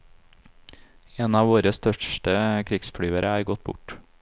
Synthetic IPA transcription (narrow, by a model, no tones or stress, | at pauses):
eːnɑːʋoːɾəst̪œʃʈəkʰɾɪksfɽyːəɾʔəæːɾɡɔt̪̚bʊ̰ʈ